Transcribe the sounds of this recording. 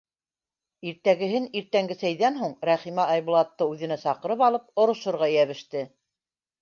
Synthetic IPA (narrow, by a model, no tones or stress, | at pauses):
iɾt̪æɡɘ̆ɦɘniɾt̪æŋɡɘsæjðænɦuɴɾæχimæɑjβŭlˠɑt̪ːɤʉðɘ̆næsɑqɤ̆ɾɤpɑlˠɤp̚ŏɾŏʃŏɾʁɑjæβɘ̆ʃt̪ɘ